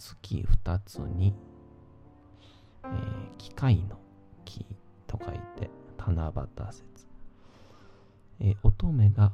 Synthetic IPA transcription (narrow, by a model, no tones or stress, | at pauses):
sɨ̥kʲḭɸɯ̟̥t̪at͡sɨ̰ɲ̟i | ekʲi̥kaino̞ | kʲʰi | t̪ʰo̞kait̪e̞̰t̪ʰanaba̰t̪ase̥t͡sɨ̥ | eʔo̞t̪o̞me̞ɡa